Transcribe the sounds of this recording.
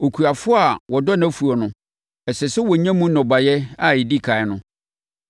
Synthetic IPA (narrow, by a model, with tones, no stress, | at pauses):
o˨kʰu˨a˨fʊ˦a˨wɔ˨dɔ˦nã˦fu˨ɔ˨nʊ̃˦ | ɛ˨sɛ˨sɛ˦wɔ˨ɲã˦mũ˦nɔ̃˨ba˨jɛ˦a˦˨ɪ˨di˦˨kʰa˨ɪ˦nʊ̃˦